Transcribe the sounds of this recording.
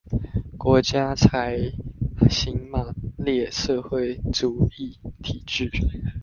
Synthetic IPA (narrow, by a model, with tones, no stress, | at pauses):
kwɔ˧˥t͡ɕja˥t͡sʰa˧˥ɪ | ɕi˥ŋma˨˩ljɛ˥˨ʂə˥˧xwe˥˩ɪt͡su˨˦i˥˩t̪ʰi˨˩ʈ͡ʂy˥˩